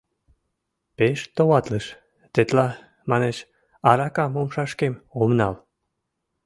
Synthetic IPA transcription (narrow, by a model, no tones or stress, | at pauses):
peʃt̪owɑt̪ləʃ | t̪et̪lɑ | mɑneʃ | ɑɾɑkɑmomʃɑʃkemomnɑl